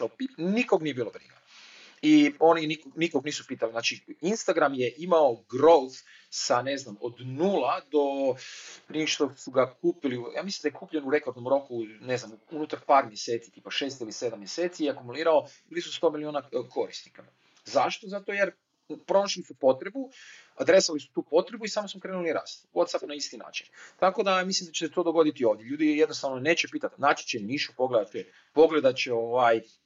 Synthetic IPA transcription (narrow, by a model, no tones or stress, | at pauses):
pinikoɡnijebiːlˠobɾḭɡa | io̞ninikonikoɡniːsupiːt̪aliznaːt͡ʃiinst̪aɡɾamjeʔimaoɡɾowf | saneznamod̪nuːlad̪o̞ | pɾiʃt̪osuɡakuːpilijaːmislimd̪ajekuːpʎenuɾe̞koɾd̪nomɾo̞kune̞znamuunut̪aɾpaːɾmjese̞ːt̪si̥t̪iːpaʃeːst̪ilise̞d̪amːjese̞ːt̪sijɛakumuliːɾaoblizust̪omilionakʰo̞ɾist̪nika | zaʃt̪ozat̪o̞jeɾ | pɾo̞noʃlisupo̞t̪ɾebuad̪ɾe̞salisu̥t̪uːpo̞t̪ɾebuisaːmosmokɾenuliɾa̰ːst̪wot̪sapnaist̪ina̰ːt͡ʃi̥nt̪ako̞d̪amislimd̪at͡ɕeset̪o̞d̪o̞ɡo̞d̪it̪io̞ːʋd̪jeʎuːd̪ijed̪nost̪aːʋnone̞ːt͡ɕepiːt̪at̪naːt͡ʃi̥t͡ʃeniːʃu̥po̞ɡled̪at̪ɛ | po̞ɡle̞d̪at͡ʃeo̞ːʋaj